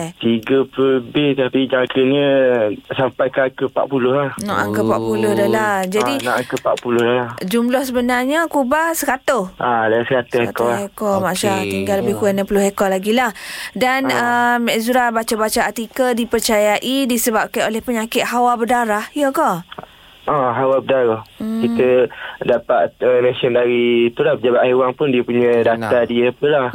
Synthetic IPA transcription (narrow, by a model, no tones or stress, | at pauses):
t̪iɡəpəbɪht̪apid͡ʒaŋkəɲə̃sampajkakəpa̰ʔ̚pulʊhlahnɔ̰ʔaŋkəpaʔpulʊhdəɦlahd͡ʒadinaʔaŋkəpaʔpulʊhdəlad͡ʒumlɔhsəbənarɲakubasəkat̪ʊhʔadasəkat̪ʊhekɔlhekɔmaʔʃat̪iŋɡalːəbɪhkuanãpulʊhekɔlaɡilahdanəmɛʔzuɾabat͡ʃabat͡ʃaat̪ikədipərt͡ʃajaʔidisəbap̚kanolɛhpəɲakɪt̪̚hawabədaɾahjəkɔ | ɔɦawabədaɾahkit̪ədapat̪əmẽsəndaɾiːt̪ulahbəd͡ʒabat̪ʔjwaŋpʊndiəpuɲãdat̪adiəpəlah